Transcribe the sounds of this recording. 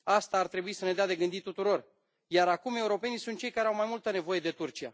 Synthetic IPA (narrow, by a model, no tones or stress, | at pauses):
ast̪aːrt̪ɾe̞buisəne̞d̪ead̪e̞ɡɨnd̪it̪ːut̪uɾo̞r | jaɾakume̞uɾo̞pe̞nisunt̪̚t͡ʃejkaɾeawmajmult̪əne̞vo̞je̞d̪e̞t̪urt͡ʃia